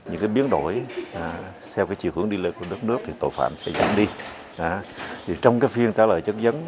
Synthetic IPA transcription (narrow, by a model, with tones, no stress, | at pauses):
ɲɨ̰˧˥ŋkaː˨˦jɓi˨˦ənɗo˧˩j | sʰɛ˧wkaː˨˦jt͡ɕḭ˧˨whɨ̰˨˧˩əŋɗi˧le˧nku˧˩ə˦ɗə˦˥t̚nɨ˦˥ək̚t̪ʰi˨˩t̪o̰˧˨jfa̰ː˧˨msɛ̰˧˥za̰ː˧˩mɗi˧ | ʔaː˨˩˦t̪ʰi˨˩t͡ɕɔ˧wŋ͡mkaː˨˦jfi˧ənkaː˧˩˦lə̰ː˧˨jt͡ɕə˦˥t̚zə˨˦n